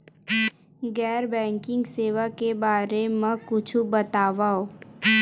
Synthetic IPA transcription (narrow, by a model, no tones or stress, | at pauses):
ɡɛːɾbɛ̃ːŋkɪ̃ŋɡseːʋakebaːɾemẽkʊt͡ʃʰubɐt̪aːʋaoː